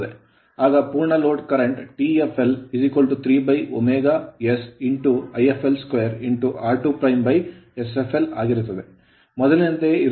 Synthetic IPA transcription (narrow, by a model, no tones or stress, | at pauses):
d̪e | aːɡɐpuːɾɳɐloːʈkɐɾeɳʈʈiːepʰelisikʋɐlʈut̪ʰɾiːbɐjo̰meːɡajesiɳʈuɐjefʰelskʋejɐɾiɳʈuʔaːɾʈuːpɾɐjmbɐjesefʰela̰ːɡiɾut̪ːɐd̪e | mɔd̪ɐlnint̪eiɾ